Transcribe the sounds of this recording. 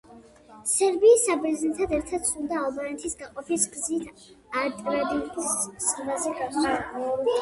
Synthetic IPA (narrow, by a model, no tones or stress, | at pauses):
sɛɾbiːsːabɾɛznɛt̪ʰad̪ɛɾt̪ʰad̪̥sʰulˠd̪aːlˠbanɛt̪ʰisɡaqʼɔpʰisɡzit̪ʰ | aɾt̪ʼɾad̪ikʰusʼɾbazɛkʰaa